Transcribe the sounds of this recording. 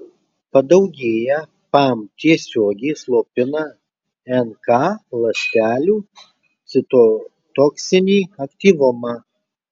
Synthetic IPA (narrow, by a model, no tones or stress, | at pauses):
pɐd̪ɐʊɡʲeːjɛ | pɑmt̪ʲiɛsʲoːɡʲɛɪslˠoːpʲɪnɑ | ɛnkɑlˠɐsʲt̪ʲæːlʲuː | t̪sʲɪt̪o | t̪oːksʲɪnʲiːɐkt̪ʲiːʋʊmɐ